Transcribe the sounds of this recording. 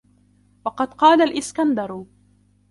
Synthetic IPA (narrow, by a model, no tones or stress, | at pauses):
wɑqɑd̪qɑːlalʔɪskand̪ɑɾˤ